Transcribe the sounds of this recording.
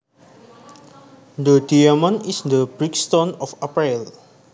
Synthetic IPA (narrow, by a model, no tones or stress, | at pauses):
d̪ədiamə̃nisd̪əbɹikst̪ɔ̃nɔfapɹil